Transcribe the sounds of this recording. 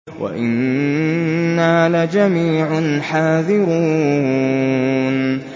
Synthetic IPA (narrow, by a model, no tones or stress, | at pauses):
wʔa̰ʔɪnː | aːlad͡ʒamiːʕʊnħaːðɪɾuː | n